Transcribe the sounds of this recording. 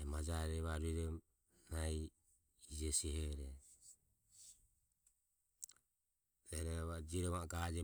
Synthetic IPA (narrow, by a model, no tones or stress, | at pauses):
ɛmad͡ʒaɾɛβaɾiɾɔm | nai | id͡ʒɛsihɛɾɛ | ɛɾɛβad͡ʒiɾɔmaɡad͡ʒɛ